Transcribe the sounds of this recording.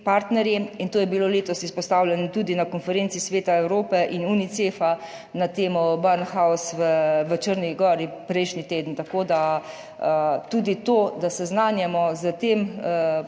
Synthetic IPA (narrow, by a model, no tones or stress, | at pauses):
paɾt̪nɛɾjiint̪oːjɛbiloːleːt̪ɔsispɔst̪aːwlʲjɛnɔt̪uːd̪inakɔnfɛɾensisʋeːt̪aɛwɾoːpɛʔinunit̪sefa | nat̪eːmɔbaɾnxawsʋəʋət͡ʃəɾniɡɔːɾipɾɛjʃnit̪eːd̪ən̩t̪akoːd̪a | t̪uːd̪it̪oːd̪asɛznaːnjɛmɔzət̪eːm